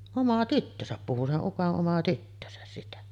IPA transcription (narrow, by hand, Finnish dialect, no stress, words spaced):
omɑ tytːøsæp puhu seʔ ʔukoʔ ʔomɑ tytːøsæs sitæ